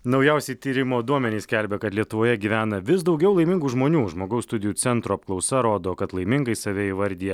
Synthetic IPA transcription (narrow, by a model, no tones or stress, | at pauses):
nɒʊjɛʊsʲɛɪt̪ʲiːɾʲɪmoːd̪uɔmʲɛnʲiːsʲkʲɛlʲbʲɛkɐt̪lʲiɛt̪ʊʋoːjɛɡʲiːʋʲæːnɐʋʲɪsd̪ɒʊɡʲɛʊlˠɐɪmʲɪŋɡuːʒmoːnʲuːʒmoːɡɐʊsst̪ʊd̪ʲɪjuːt̪sʲɛnt̪ɾoɐp̚klˠɒʊsɐɾoːd̪oːkɐt̪lˠɐɪmʲɪŋɡɐɪsɐʋʲɛiːʋɐɾʲd̪ʲijɛ